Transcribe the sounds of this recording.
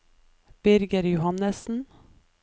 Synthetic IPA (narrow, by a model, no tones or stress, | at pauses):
b̥ɪɾɡəɾjʊhɑnəsn̩